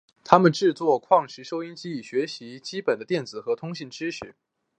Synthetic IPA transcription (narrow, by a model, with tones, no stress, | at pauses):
t̪ʰa˥mə˨nʈ͡ʂɻ̩˥˧t͡swɔ˥˧kʰwɑ˥˩ŋʂɻ̩˧˥ʂo˥ʊi˥nt͡ɕi˥i˨˩ɕɥɛ˧˥ɕi˧˥t͡ɕi˥pə˨˩nd̪ə˦t̪jɛ˥˩nt͡sɹ̩˨˩xɤ˧˥t̪ʰʊ˥ŋɕi˥˩ŋʈ͡ʂɻ̩˥ʂɻ̩˥˩